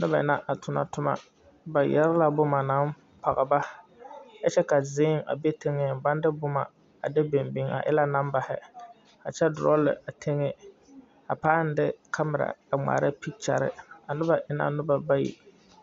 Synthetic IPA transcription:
nʊ˦ba˨ɪ˨na˦ʔa˨tʊ˨na˨tʊ˦ma̰˦ | ba˨jɛ˦ɾɪ˦la˨bʊ˦ma˨na˨˦m | pa˨ɣa˨ba˦ | ja˦t͡ʃɛ˦ka˨zɪː˦ŋa̰˨be˦te˦ŋɪ˦ba˦n˦dɪ˦bʊ˦ma˨ | a˨de˦be˨mbɪ˨ŋa̰˨ʔɪ̰˦la˦na˦m˦ba˨hɪ˦ | a˨t͡ʃɛ˦dʊ˨ɾɔ˦lɪ̰˨ʔa˨tʰe˦ŋɪ˦ | a˨paː˦n˦dɪ˦kʰa˦mɪ˨ɾa̰˨a˨ŋ͡ma̰ː˨ɾɪ˦pi˦k̚t͡ʃa̰˨ɾɪ̰˦a˨nʊ˦ba˨ʔɪ˨na̰˨nʊ˦ba˨ba˦jḭ˦

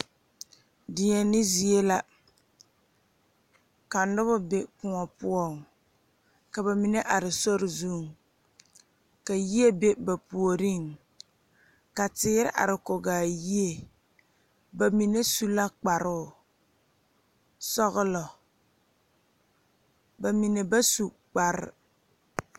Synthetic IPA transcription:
dɪ˨ɲɛ˨nɪ˦zi˨e˦la˦ | ka˨nʊ˦bʊ˦be˦pʊ˨ŋɔ˨pʊ˦ɔ˦˨ŋ | ka˨ba˨mi˨ne˦ʔa˨ɾɪ˨sɔ˦ɾɪ˨zu˦˨ŋ | ka˨ji˦e˦be˦ba˨pu˨o˨ɾi˦˨ŋ | ka˨tɪː˨˦ɾɪ̰˦ʔa̰˨ɾɪ˨ko˨ɡaː˨ji˦e˨ | ba˨mi˨ne˦su˦la˦k͡pa˨ɾʊ˦˨ | sɔ˦ɣʊ˦lɔ˨ | ba˨mi˨ne˨ba˦su˨ | k͡pa˨ɾɪ̰˦

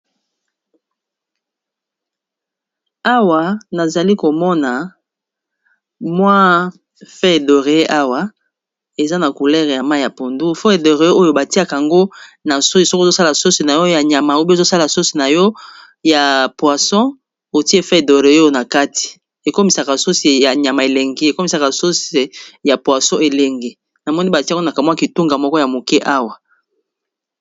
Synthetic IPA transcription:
a˦wa˨na˨za˨li˦ko˨mɔ˦na˨ | mwã˦ | fɛ˦e˨do˨ʁe˨e˦ʔa˦wa˨ | e˨za˦na˨ku˨lɛ˦ʁja˨ma˦˨ja˨po˨ndu˦fɛ˦e˨do˨ʁe˨˦e˦o˦jo˨ba˨ti˦a˦ka˨a˨ŋɡo˦na˨so˦i˨sɔ˦ko˦sa˦la˨so˦si˨na˨jɔ˦ja˨ɲa˨ma˨u˦bi˦˨zo˦sa˦la˨so˦si˨na˨jɔ˦ | ja˨pwa˨sɔ̃˦ | o˨ti˦e˦fɛ˦e˨do˨ʁe˨o˦o˦na˨ka˦ti̥˨ | e˨ko˦mi˨sa˨ka˨so˦si˨ja˨ɲa˨ma˨e˨le˨ŋɡe˦e˨ko˦mi˨sa˨ka˨so˦se˨ja˨pwa˨sɔ̃˦e˨le˨ŋɡe˨ | na˨mɔ˦ni˦ba˨ti˦na˨ka˨mwa˦ki˨tu˦ŋɡa˨mɔ˦kɔ˦ja˨mo˨kɛ˦ʔa˦wa˨

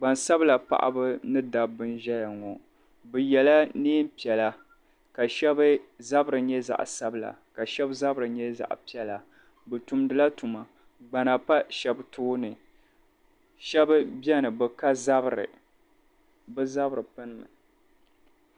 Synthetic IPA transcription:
ɡ͡ba˨nsa˦bla˨pa̰˨ʔa̰˦bɨ˦nɨ˦da˨bːɨ˦nʒɛ˦ja˨ŋɔ˨ | bɨ˨jɛ˨la˦niː˦m˦pi˨ɛ˨la˦ | ka˨ʃɛ˦bɨ˦za˦bɾɨ˨ɲɛ˦za̰˨ʔsa˦bɨ˦la̰˨ka˨ʃɛ˦bza˦bɾɨ˨ɲɛ˦za̰˨ʔpi˦ɛ˦la˨ | bɨ˨tu˨mdɨ˨la˦tu˨ma˨ | ɡ͡ba˨na˨pa˦ʃɛ˨btʰʊː˦nɨ˨ | ʃɛ˦bɨ˦bɛ˦nɨ˨bɨ˨ka˦za˦bɾɨ̰˨ | bɨ˦za˦bɨ˨ɾɨ˨pɨ˦nɨ˦mɨ˨

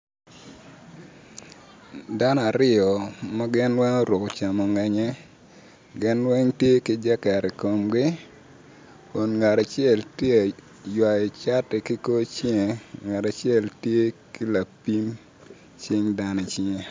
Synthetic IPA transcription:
da˦n˦a˨ɾɪ˦ɔ˨mɐ˦ɡɪ˦nwɛ˦ŋo˦ɾʊ˨kt͡ʃa˨mɔ˨ŋɛ˨ɲɛ˦ | ɡɪ˦nwɛ˦ŋtje˦kɪ˦d͡ʒa˦ka˨ɾi˨ko˨mɡɪ˦ | o˨nŋa˨ɾa˨t͡ʃɪɛ˦˨ltje˦a˨ | jwa˨ɪ˨t͡ʃa˦tɪ˨ki˦ko˦t͡ʃɪ˦ŋe˨ŋa˨ta˨t͡ʃɛ˦˨ltje˦ki˦la˨pi˦m | t͡ʃɪ˦ŋda˦ne˨t͡ʃɪ˦ŋe˨

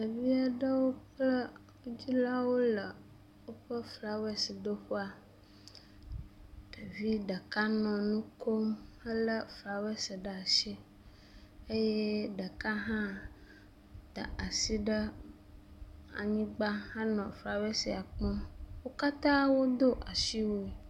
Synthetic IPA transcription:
ɖə˨vi˦a˨ɖə˦wo˦k͡plə˦ | d͡ʑi˦la˦wo˦lə˨ | wo˦ɸə˦fɾa˨we˦si˨d̪o˦ɸu˦a˨ | ɖə˨vi˦ɖə˨ka˦nɔ̃˨nũ˦ko˦mə˦lə˦fɾa˨we˦sə˨ɖə˨a˨ʃe˦ | e˦je˦ɖə˨ka˦ɦã˦ | t̪a̰˨a˨si˦ɖə˦ | a̰˨ɲĩ˦ɡ͡ba˦hã˦nɔ̃˨fɾa˨we˦si˨a˨k͡pɔ̃˦wo˦ka˦t̪ã˦wo˦d̪o˦ʔa˨ʃi˦wo˦e˨

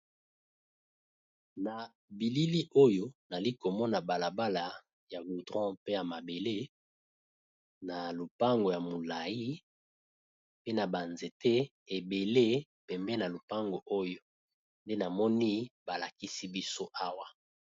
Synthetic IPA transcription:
na˨ | bi˨li˦li˦ʔo˦jo˦na˨li˦ko˨mɔ˦na˨ba˨la˨ba˦la˨ | ja˨ɡu˨dʁɔ̃˦pe˦ja˨ma˨be˨le˦ | na˨lo˨pa˦ŋɡo˨ja˨mo˨la˨ji˦ | pe˦na˨ba˨nze˨te˦ | e˨be˨le˦ | pɛ˨mbɛ˦na˨lo˨pa˦ŋɡo˨ʔo˦jo˦ | nde˦na˨mɔ˦ni˦ba˨la˨ki˦si˦bi˦so˦ʔa˦wa˦

